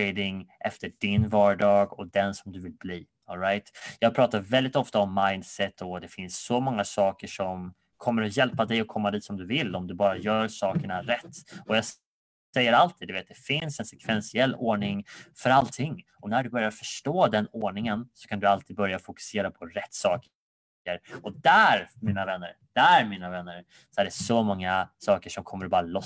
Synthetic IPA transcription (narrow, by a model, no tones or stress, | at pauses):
ed̪ɪŋʔɛft̪əɖɪnvɑːɖɑːɡɔd̪ɛnsɔmd̪ɵvɪlbliː | ɔlɾajt̪jɑːɡ̚pʰɾɑːt̪aɾvɛld̪ɪt̪ɔft̪aɔmːajnd̪sɛt̪ʰːɔd̪ɛfɪnssɔmɔŋːasɑːkəʂɔm | kʰɔmːəɾɔjɛlpad̪ɛjɔkʰɔmːad̪iːt̪sɔmd̪ɵvɪlːɔmd̪ɵbɑːɾajœːɾsɑːkəɳaɾɛt̪ːɔjɑːɡ | sɛjːəɾalt̪ʰid̪ɵveːt̪̚d̪ɛfɪnsɛnsɛkʰvɛnsɪɛlːoːɳɪŋfœɾalt̪ʰɪŋː | ɔnæɖɵbœɾjaɾfœʂʈoːd̪ɛnoːɳɪŋənsɔ̥kʰand̪ɵalt̪ʰiːd̪̚bœɾjafʊkɵ̥seːɾapʰɔɾɛt̪ːsɑːk | əɾɔd̪æɾmiːnavɛnːəɾ | d̪̥æɾmiːnavɛnːəɾ | sɔæɖɛsɔmɔŋːasɑːkəʂɔmkʰɔmːəɾɔbɑːɾalɔ